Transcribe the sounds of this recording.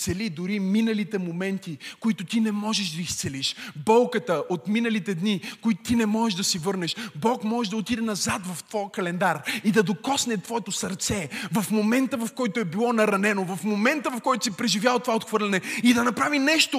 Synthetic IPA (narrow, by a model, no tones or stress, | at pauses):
sɛlid̪ʊɾiminəlit̪ɛmomɛnt̪ikʊit̪ʊt̪inɛmɔʒɛʃd̪ɐist̪sɛliʃbɔlˠkət̪əʔot̪minəlit̪ɛd̪nikʊit̪ʊt̪inɛmɔʒɛʒd̪ɐsivɤɾnɛʃbɔkmɔʒɛʒd̪ɐot̪id̪ɛnɐzat̪vɐft̪v̥ɔjkɐlɛnd̪aɾid̪ɐd̪okɔsnɛt̪vɔɛt̪osɐɾt̪sɛvɐfmomɛnt̪əvɐfkɔjt̪oɛbilˠɔnɐɾɐnɛnovɐfmomɛnt̪əvɐfkɔjt̪ʊ̥sipɾɛʒivʲjalˠət̪ovaot̪xvɤɾlʲɛnɛid̪ɐnɐpɾavinɛʃt̪o